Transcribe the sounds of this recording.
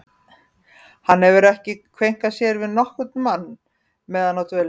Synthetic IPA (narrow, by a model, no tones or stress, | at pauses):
hanːɛvʏɾɛhcɪkʰvejŋ̥kasjɛɾvɪðnɔhkʏt̪̚nmanː | mɛːðanawt̪ʰœl